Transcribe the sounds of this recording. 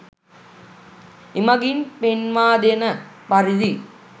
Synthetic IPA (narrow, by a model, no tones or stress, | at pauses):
imɐɡinpenʋaːd̪enəpɐɾid̪i